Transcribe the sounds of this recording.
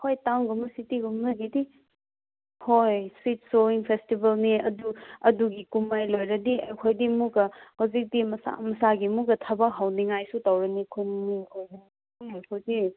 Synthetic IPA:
hʰojtaŋɡumusitiɡumnɐɡidi | hojswit̚soiŋpʰestibɐlniɐduɐduɡikumajlojɾɐdiɐjkʰojdimuɡɐhawzik̚dimɐsa̰mɐsaɡimuɡɐtʰɐbak̚ɦawniŋajsutawɾɐnikʰonniojɐn | hawzi

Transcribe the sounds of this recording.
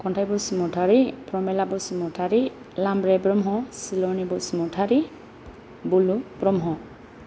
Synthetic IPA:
kɔntʰajbɔsimɔtʰaɾipɾɔmɛlabɔsimɔtʰaɾi | lambɾɛbɾɔmɦɔ̃silɔnibɔsimɔtʰaɾi | bulubɾɔmɦɔ̃

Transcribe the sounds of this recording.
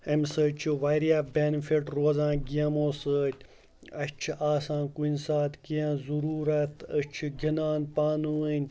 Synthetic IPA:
ɐmsət͡ʃʰiʋɐjɾijabʲenfiʈɾoːzãːɡijɐmoːsəːt̪ʲ | ɐɕt͡ʃʰiʔaːsãːnkunʲsaːt̪kijɐnzuɾuːɾɐt̪ʰət͡ʃʰiɡʱʲinaːnpaːnuənʲ

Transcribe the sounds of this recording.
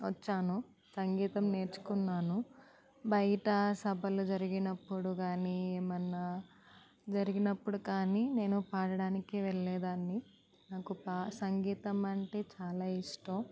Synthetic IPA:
ʋɐt͡ʃːaːnu | sɐŋɡiːt̪ɐmne̞ːɾt͡ʃu̥kunːaːnu | bɐjɐʈɐsɐbʱɐlud͡ʒɐɾiɡinɐpːuɽuɡaːnieːmɐnːa | d͡ʒɐɾiɡinɐpːuɽukaːnine̞ːnupaːɽɐɽaːnikiʋɛɭːɛːd̪aːnːi | naːkupaːsɐŋɡiːt̪ɐmɐɳʈe̞ːt͡ʃaːlaːiʂʈɐm

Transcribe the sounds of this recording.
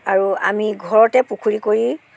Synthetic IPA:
aɹuamiɡʱɔɹɔtɛpukʰuɹikoɹi

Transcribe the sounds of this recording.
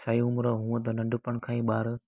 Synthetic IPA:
saːiʊmɾɐɦũə̃t̪ɐnɐ̃ɳɖʊpəɽ̃kʰãːĩːɓaːɾ

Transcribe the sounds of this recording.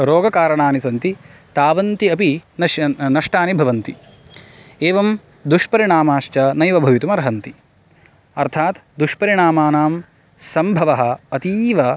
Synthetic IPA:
ɾoːɡɐkaːɾɐɳaːnisɐnt̪it̪aːʋɐnt̪iɐpinɐnɐʂʈaːnibʱɐʋɐnt̪i | eːʋɐm | d̪uʂpɐɾiɳaːmaːʃt͡ʃɐnɐjʋɐbʱɐʋit̪umɐɾɐɦɐnt̪i | ɐɾt̪ʰaːt̪d̪uʂpɐɾiɳaːmaːnaːm | sɐmbʱɐʋɐɦɐ̆ɐt̪iːʋɐ

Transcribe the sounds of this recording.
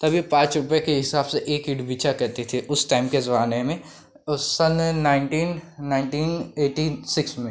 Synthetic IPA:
t̪ɐbʱipãːt͡ʃɾʊpjekeɦɪsaːbseʔeːkɪɖbiːt͡ʃʰakɛɾt̪et̪ʰeʔʊsʈaːɪmkezɐbaːnemẽ | sɐnːaːɪɳʈiːnːaːɪɳʈiːneːʈisɪksmẽ

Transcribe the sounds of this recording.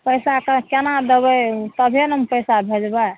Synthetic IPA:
pəjsakəkenad̪ebət̪əbʱenəmpəjsabʱed͡ʒbə

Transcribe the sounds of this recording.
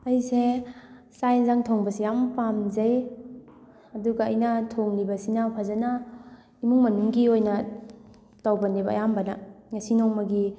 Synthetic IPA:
ɐjse | sajnzaŋtʰoŋbɐsijampamzɐj | ɐduɡɐːjnɐtʰoŋnibɐsinawpʰazɐna | imuŋmɐnuŋɡiojnɐ | tawbɐnibɐ̰ːjambɐnɐ̰ŋɐsinɔŋmɐɡi

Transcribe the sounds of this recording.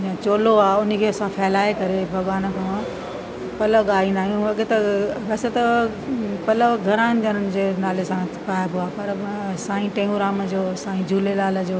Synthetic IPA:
ãːt͡ɕoːloaːʊnə̆kʰeːɐsãfɛːlaːekɐɾebʱɐɠʋaːnə̆kʰãː | pɐləɠaːĩːn̆d̪aːijũɐɠet̪ɐɡɐset̪ɐ | pɐləɡʱɐɾaːnɪd͡ʑɐɾənɪ̆d͡ʑeːnaːlesãpaːjbɪaːpɐɾ | sãːĩʈẽːuɾaːmd͡ʑoːsãːĩd͡ʑʱuːlelaːlə̆d͡ʑoː

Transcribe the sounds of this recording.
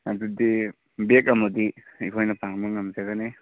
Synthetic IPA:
adudi | bek̚ɐmudiipʰojnɐpʰaŋmaŋamzaɡane

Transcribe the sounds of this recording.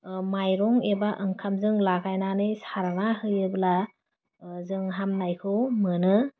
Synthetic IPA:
majɾɔŋebaʔɯŋkʰamzɯŋlakʰajnanɯjsaɾanahɯjɯbla | zɯŋɦamnajkʰɯwmɯnɯ

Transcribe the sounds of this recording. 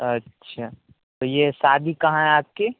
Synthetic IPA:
ətːʃʰaː | t̪oːjesaːd̪ʱikɐɦãɦɛ̃aːp̚ke

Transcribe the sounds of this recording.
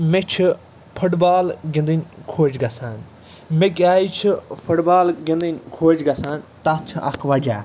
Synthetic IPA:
mẽt͡ʃʰ | pʰʊʈbaːlɡɪ̃nd̪inʲkʰoːd͡ʒɡɐsaːn | mẽk̬aːit͡ʃʰipʰʊʈbaːlɡɪ̃nd̪inʲkʰoːd͡ʒɡɐsaːnt̪at͡ʃʰʔɐ̰kʰʋad͡ʒaː

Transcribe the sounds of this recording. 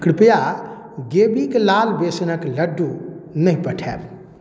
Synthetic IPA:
kɽpja | ɡebiklalbesnəkləɖːunəɦĩpəʈʰɛ̰b

